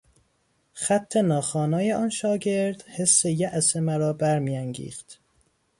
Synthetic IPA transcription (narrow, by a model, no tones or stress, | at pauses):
xæt̪ʰːenɒːxɒːnɒːjeɒːnʃɒːɡe̞ɾd̪̥he̞sːejæʔsemæɾɒːbæɾmijæŋɡḭːxt̪